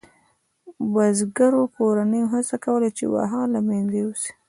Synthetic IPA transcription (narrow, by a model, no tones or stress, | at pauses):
wazɡaɾokoɾanəjoɦasakawəlat͡ʃḛwa̰ɦɑlamanzewusi̥